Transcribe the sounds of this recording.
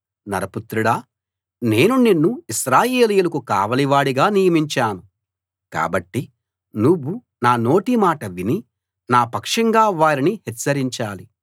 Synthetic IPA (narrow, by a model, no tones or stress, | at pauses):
nɐɾɐput̪ɾuɽa | ne̞ːnuninːuiʃɾaːjeːlijulɐkuka̰ːʋɐliʋaːɽiɡaːnijɐmiɲt͡ʃaːnu | ka̰ːbɐʈːi | nuʋːu | naːno̞ːʈimaːʈɐʋini | naːpɐkʂɐŋɡaːʋaːɾinihɛt͡ʃːɐɾiɲt͡ʃaːli